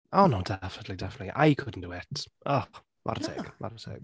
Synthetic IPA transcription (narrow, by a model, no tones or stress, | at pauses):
ɔnodɛfnətʰˡlidɛfənətliʔa̰jkʰʊdn̩d̥uɛtʰɔ | va̰rtʰɛ̰ɡ̥ma̰rtʰɛ̰ɡ̥